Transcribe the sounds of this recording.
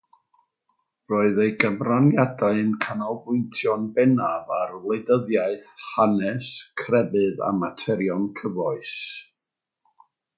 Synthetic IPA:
roːɨðejɡəmranjadaɨnkʰanɔlˠbʊɨntʰjɔnbɛnavarlˠedəðjaɨθhanɛskʰrɛbɨða̰matʰɛɾjɔnkʰəvɔɨs

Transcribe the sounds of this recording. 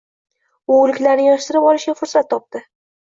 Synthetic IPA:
ʊːlɪkʲlaɾnɪjɒʃt̪ɪɾɪpɒlˠɪʃɡʲafʊɾsat̪ʰːɒp̚t̪ɪ

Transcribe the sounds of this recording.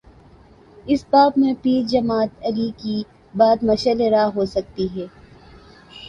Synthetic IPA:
ɪsbaːbmẽpiːɾd͡ʒɐmaːt̪ɐliki | baːd̪mɐʃəleɾaːɦoːsɐk̚t̪iɦɛː

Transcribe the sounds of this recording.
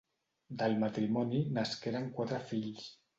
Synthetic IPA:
d̪əlˠmat̪ɾimɔninaskeɾəŋkwat̪ɾəfiʎs

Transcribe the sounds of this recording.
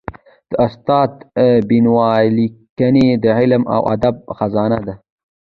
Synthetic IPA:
d̪̥əast̪ɑːt̪binwɑːlikaned̪əʕɪlma̰wʔa̰d̪ab̚xazɑːnad̪a

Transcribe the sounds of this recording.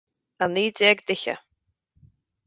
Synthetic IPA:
aniːd̪ɛɡd̪ɪça̰

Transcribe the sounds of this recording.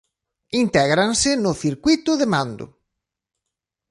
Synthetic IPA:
int̪ɛɣɾaŋsɪnʊθiɾkwit̪ʊðɪmand̪ʊ̰

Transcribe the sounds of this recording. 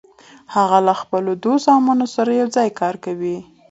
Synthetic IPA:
haɣalaxpəlod̪oszɑmɑnosaɾajawd͡zɑjkɑɾkawi

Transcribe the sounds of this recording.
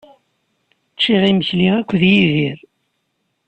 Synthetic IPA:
t͡sːiʁiməçliækʷːðjiðiɾ

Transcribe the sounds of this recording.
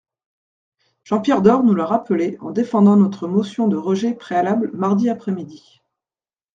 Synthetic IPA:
ʒ̥ɑ̃pjɛʁd̪ɔʁnuləʁapəleɑ̰̃d̪efɑ̃d̪ɑ̃nɔt̪χəmosjɔ̃d̪əʁəʒɛpχealablmaʁd̪iapχɛmid̪i

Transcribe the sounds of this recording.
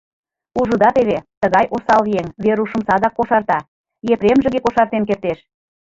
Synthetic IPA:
uʒud̪ɑt̪eβet̪əɣɑjʔosɑlvieŋveɾuʃə̆msɑd̪ɑkːoʃɑrt̪ɑ | jepɾemʒĕɣekoʃɑrt̪enk̬ert̪eʃ

